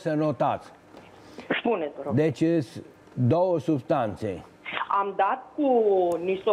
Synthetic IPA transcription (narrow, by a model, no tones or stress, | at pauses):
sənot̪at̪s | spuned̪oɾod̪et͡ʃɨs | d̪owəsubst̪ant̪sḛ | amd̪at̪̚kunist̪o